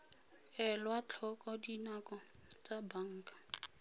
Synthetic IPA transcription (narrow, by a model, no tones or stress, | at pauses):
ɛlwat͡ɬʰɔkʼɔdinakʼɔt͡sabaŋ̩kʼḁ